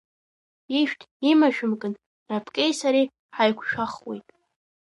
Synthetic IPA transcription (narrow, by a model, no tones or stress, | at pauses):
iʃᶣtʼʰimaʒᶣʊmkʼɨn | rapʰkʼejsaɾi | ħajkʷʰʃᶣaχwejtʼ